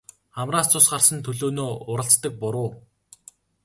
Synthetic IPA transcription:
χamraːt͡sʊsɢarsə̆nt̪ʰɵɮoːnoːʊɾə̆ɬt͡st̪ə̆k̚pʊɾʊː

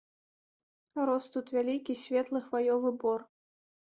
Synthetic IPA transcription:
rɔst̪ut̪vʲalʲikʲisʲvʲɛt̪lˠɨxvajɔvɨbɔr

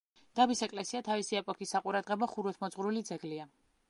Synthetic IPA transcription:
d̪̥abisɛkʼlɛsiat̪ʰavisiɛpʼɔkʰisːaqʼuɾad̪ʁɛbɔχuɾɛt̪ʰmɔd̪zʁɾulid̪zɛɡlia

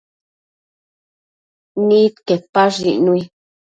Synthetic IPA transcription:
nĩt̪kepaʐinũi

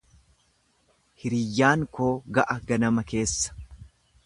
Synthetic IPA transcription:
hɪɾɪjːaːŋkoːɡɐʔɐɡɐnɐmɐke̞ːsːɐ̥

